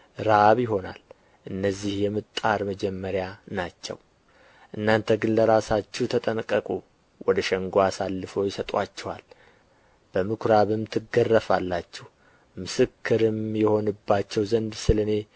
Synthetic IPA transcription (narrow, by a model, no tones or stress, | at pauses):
ɾaβjɪɦo̞na̰l | ʔɨnːəzːihjɛmɨt̪ʼːaɾməd͡ʒɛmːəɾjanat͡ʃːɛ̰w | ʔɨnːant̪ʰəɡɨnləɾasat͡ʃːɛht̪ʰət̪ʼənkʼːəkʼu | wʔɔd̪əʃɛŋɡoasalːɨfo̞jɪsət̪ʼat͡ʃːɛwa̰l | b̥əmɨkʰɾaβɨmt̪ʰɨɡərːəfalːat͡ʃːɛh | mɨsɨkʰːɨɾɨmjɛho̞nɨbːat͡ʃːɛwzənd̪sɨlɨne̞